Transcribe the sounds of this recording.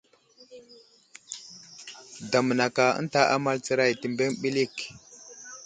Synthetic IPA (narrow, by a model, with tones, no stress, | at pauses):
da˨mə˨na˨ka˨ə̰˦nta˦ʔa̰˦ma˦lt͡sə˦ɾa˦˨jti˦˨mbe˦ŋɓi˦li˦˨k